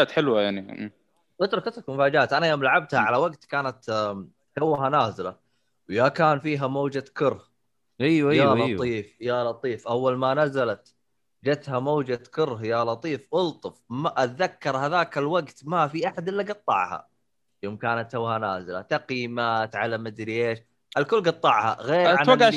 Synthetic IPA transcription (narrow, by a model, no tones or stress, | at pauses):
aːt̪ħɪlwajaʕnḭmː | ʔʊt̪ɾʊkʔɪt̪ɾʊkmʊfaːd͡ʒaːt̪ʔanajoːmlaʕab̚t̪haʕalawaɡt̪kaːnat̪ | hawːɦanaːzɪla | wjakaːnfiːɦamoːd͡ʒakʊɾh | ijjallɑtˤiːfjalɑt̪ˤiːfʔawːalmanazalat̪ | d͡ʒat̪hamaːd͡ʒakʊɾɦjalɑt̪ˤiːfʔʊlt̪ˤɨfmaʔat̪ðakːɑɾˤhaðaːkalwaɡt̪mafiʔaħad̪ʔɪlːaɡɑt̪ˤːɑ̰ʕha̰ | joːmkaːnat̪sawhanaːzɪla̰t̪aqimaːt̪ʕalamad̪ɾiʔeːʃ | ʔɪlkʊlːɡɑt̪ˤːɑʕha̰ɣeːɾanwaɡʕ